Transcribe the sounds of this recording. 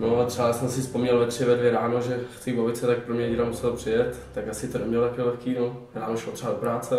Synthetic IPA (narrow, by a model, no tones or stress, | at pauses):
noat̪rɛbasɛmsɪspomɲɛlvɛt̪r̝̥ɪvɛdljɛɾaːnoʒɛxt͡sɪbovɪt̪t͡sɛt̪ak̚pɾomɲɛɪɾamusɛlopr̥ɪjɛt̪ːakasɪt̪odɛmɲɛlot̪akilɛxkiːnoɾaːnoʃlot̪rɛbadopɾaːt͡sɛ